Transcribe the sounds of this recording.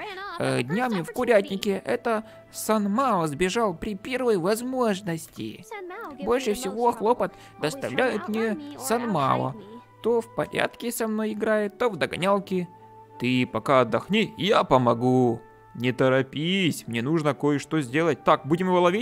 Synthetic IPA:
ədʲnʲamʲɪfkʊɾʲætʲnʲɪkʲɪʔɛt̪ə | sɐnmalˠəzbʲɪʐɑlˠpɾʲɪpʲervəjvɐzmo̞ʐnəsʲtʲɪ̰bo̞lʲʂɨfsʲɪvoxlˠopət̪ | d̪əst̪ɐvlʲʔæjɪt̪mnʲesɐnma̰lˠə̰t̪o̞fpɐ̰ɾʲa̰t̪kʲɪsɐmno̞jɪɡɾajɪt̪ːovd̪ɐɡɐnʲalˠkʲɪ | t̪ɨpɐkaɐd̪ːɐxnʲijapəmɐɡu | nʲɪt̪əɾɐpʲisʲmnʲenuʐnəko̞jɪʂt̪ozʲdʲe̞lˠət̚ʲt̪ak̚budʲɪmɨvəlˠɐvʲit̚ʲ

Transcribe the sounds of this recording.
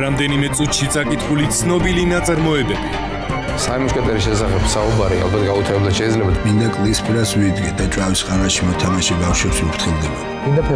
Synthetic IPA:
ɾamd̪ɛnimɛt̪sʼut̪ʰʃit̪sʼakʼit̪ʰχulit̪sʰnɔbilinat̪sʼaɾmɔɛbɛbi | saɛmɔʃkʼɛt̪ʼɛɾiʃɛsaχɛbsaubaɾia̰lˠbat̪ɡaut̪ʰaɛblzaʃɛid̪zlɛbad̪mind̪akʼlispʰʼiɾasvid̪ɡɛd̪at͡ʃʼavisqʼaɾaʃimɔt̪ʰamaʃibafʃɛpsmɾt̪ʰχʰilˠd̪ɛba | id̪apʰ

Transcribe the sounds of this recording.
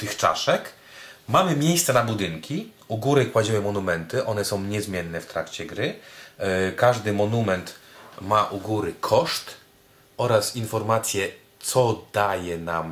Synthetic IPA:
t̪ɘxt͡ʂa̰ʂɛk | mamɘmʲjejst̪sɛnabud̪ɘŋkʲi | uɡuɾɘkwad͡ʑiwɘmɔnumɛnt̪ɘʔɔnɛsɔ̃w̃ɲɛzmʲjɛnːɛft̪ɾa̰kt͡ɕɛɡɾɘ | kaʐd̪ɘmɔnumɛnt̪maʔuɡuɾɘkʰɔʂt̪ | ɔɾasinfɔɾmat̪sʲjɛ | t̪sɔd̪ajɛnam

